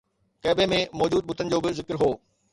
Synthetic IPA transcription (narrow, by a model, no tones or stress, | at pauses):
kɐːbemẽmɔːd͡ʑuːd̪̚ɓʊt̪ʰənɪ̆d͡ʑoːbɪzɪkɾɦoː